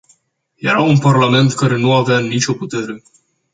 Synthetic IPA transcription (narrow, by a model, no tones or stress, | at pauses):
je̞ɾaunparlame̞nt̪kaɾe̞nuaveanit͡ʃʲo̞put̪e̞ɾe̞